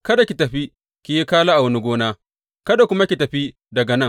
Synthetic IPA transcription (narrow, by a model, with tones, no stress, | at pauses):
kɐ˦da˨kʲi˨tɐ˨ɸi˦ | kʲi˨ji˦kaː˦laː˦ʔa˨wɐ˦ni˦ɡʷoː˦naː˦ | kɐ˦da˨kʷʊ˦ma˦kʲi˨tɐ˨ɸi˦ | dɐ˨ɡɐ˨nɐ˦ŋ